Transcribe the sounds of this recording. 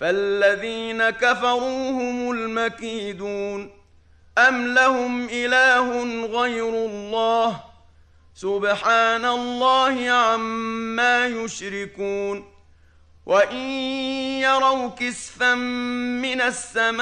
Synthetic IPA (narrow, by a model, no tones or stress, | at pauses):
falːaðiːnakafɑɾˤuːhʊmʊlmakiːd̪uːn | ʔamlahʊmʔɪlaːɦʊnɣajɾʊlˤːɑːh | sʊbħaːnalˤːɑːhɪʕamːaːjʊʃɾɪkuːn | wʔaʔɪnjɑɾˤɑwkɪsfamːɪnasːama